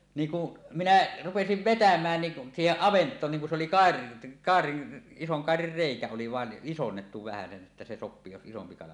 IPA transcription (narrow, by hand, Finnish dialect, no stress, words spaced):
niːŋ ku minæ rupesiʋ ʋetæmˑæːn niʔ siːheʔ ʔɑʋentˑoːn niːŋ kun se oli kɑˑer kɑˑerin isoŋ kɑˑerir reikæ oli ʋɑˑen ʔisonːetːu ʋæhæsen ʔetːæ se sopˑiː jos isompi kɑlɑ